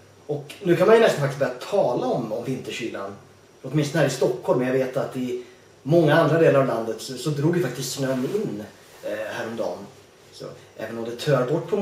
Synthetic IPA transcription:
ɔknʉ̟ːkʰanmanjɵnɛst̪anfak̪tɪstbœɾjat̪ʰɑːlaɔmɔmvɪnt̪əʂyːla̰n | ɔt̪mɪnst̪nhæːɾɪst̪ɔkhɔlmɛnjaɡveːt̪at̪ɪ | mɔŋːaand̪ɾad̪eːlaɾavland̪ət̪sɔsɔd̪ɾuːɡjɪfak̚t̪ɪst̪siːnaɛmːəɪnː | hæːɾɔmd̪ɑ̰ːn | sɔ̰ʔɛ̰ːvənɔmd̪ɛt̪ʰœːɾbɔʈːpʰɔ

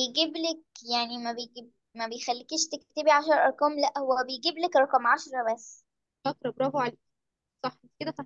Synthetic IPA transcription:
ejɡiblek̚jaʕnimæbejɡib̚ | mæbejxælːikeʃt̪ekt̪ebiʕaʃ̬ɑɾˤʔɑ̰ɾˤqɑːmlæʔhowːæbejɡiblækɾˤɑqɑmʕaʃɾˤɑbæsː | ʔɑt̪ɾˤɑbɾˤɑːhoʕaleː | sˤɑħet̪ked̪æfɑ

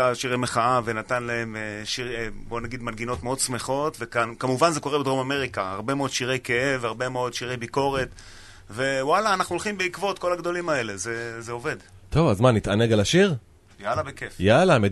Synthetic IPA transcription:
aʃiʁejmeχaavenatanlae̞meʃiʁbo̞naɡid̪malɡino̞tmeo̞dsmeχo̞tvekankamuvanze̞ko̞ʁe̞bed̪ʁo̞mame̞ʁikaa̰ʁbe̞meod̪ʃiʁejke̞evaʁbe̞meo̞d̪ʃiʁe̞jbiko̞ʁe̞t | ve̞walaːnaχnuolχimbeikvo̞t̪ko̞laɡd̪o̞limae̞lezezeo̞ve̞d | t̪o̞vazmanːit̪ʔaneɡalaʃiʁ | jalabekefjalame

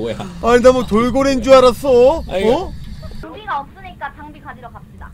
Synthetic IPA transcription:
aɲindamotoɭɡoɾind͡ʑuaɾas͈oʌŋbiɡaʌp̚s͈ɯɲik͈at͡ɕʰaŋbikʰad͡ʑiɾokaɕida̰

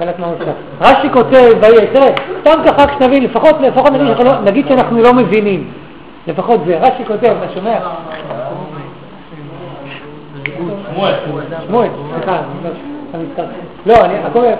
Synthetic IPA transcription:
latmaosa | ʁaʃiko̞tevajet̪eʁest̪amkaχakʃenavinlefaχo̞tlefaxo̞t̪naɡidanaχnulonaɡid̪̥ʃeanaχnulo̞mevinim | lefaχo̞t̪zeʁaʃikote̞vmaʃomea | ʃmoesliχaitaamitt̪aʁi | lo̞aniako

